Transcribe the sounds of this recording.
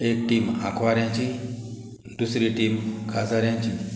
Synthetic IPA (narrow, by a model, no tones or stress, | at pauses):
ek̚ʈima̰kʰʋaɾjãɲt͡ɕi | d̪usɾiʈimkʰad͡zaɾjãɲt͡ɕi